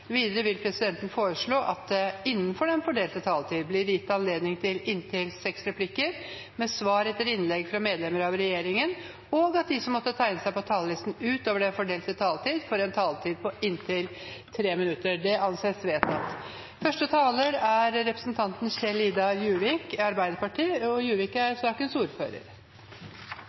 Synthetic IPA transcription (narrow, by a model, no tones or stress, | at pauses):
ʋiːd̪əɾəʋɪlpʰɾɛsɪd̪ɛnt̪n̩foːɾəʂɭoːʔɑt̪̚d̪ɛɪnːənfɔɖɛnfɔɖeːlt̪ət̪ʰɑːlt̪ʰiːd̪blɪɾjɪt̪ːɑnleːd̪nɪŋt̪ʰɪlɪnt̪ʰɪlsɛksɾɛpʰlɪkːəɾ | mɛsʋɑːɾɛt̪ːəɾɪnlɛɡfɾɑmeːd̪lɛməɾɑʋɾɛjeːɾɪŋən | ɔɡɑt̪̚d̪ɪsɔmːɔt̪ːət̪ʰæɪnəsæɪpɔt̪ʰɑːləlɪst̪n̩ʉːt̪oːʋəɖɛfɔɖeːlt̪ət̪ʰɑːlt̪ʰiːd̪fɔɾɛnt̪ʰɑːlt̪ʰiːd̪̚pʰɔɪnt̪ʰɪlt̪ʰɾeːmɪnʉt̪ːəɖɛɑnseːsʋeːt̪ɑ̰t̪ | fœʂʈət̪ʰɑːləɾæɾɾɛpɾəsnt̪ʰɑnt̪n̩çɛliːd̪ɑjʉːʋɪkɑɾbæɪd̪əɾpɑʈʰiːɔjʉːʋɪkəæɾsɑːkənsuːɾfø̰ːɾə̰ɾ